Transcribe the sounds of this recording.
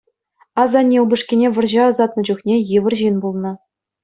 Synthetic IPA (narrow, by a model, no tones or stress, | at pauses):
ɑzɑnʲːiubɤ̆ʂkʲinʲeʋʲɤ̆rʑɑɑzɑt̪nɤ̆d͡ʑuχnʲejɯʋɘ̆rʑinbulˠnɤ̆